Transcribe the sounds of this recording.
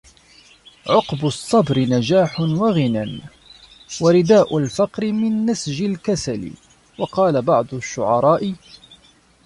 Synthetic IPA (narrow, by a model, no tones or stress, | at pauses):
ʕʊqbʊsˤːɑbɾɪnad͡ʒaːħʊnwaɣɪnan | waɾɪd̪aːʔʊlfɑqɾɪmɪnːasʒɪlkasalɪ̰ | wɑqɑːlabɑʕd̪ˤʊʃːʊʕɑɾˤɑːʔɪ